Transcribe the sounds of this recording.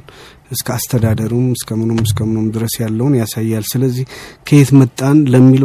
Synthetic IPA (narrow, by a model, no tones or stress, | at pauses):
ʔɨskʰəast̪ʰəd̪ad̪əɾumɨskʰəmɨnomɨskʰəmɨnomd̪ɨɾəsjalːəwunjasajːalsɨləzːihkʰəet̪mət̪ʼːanləmːil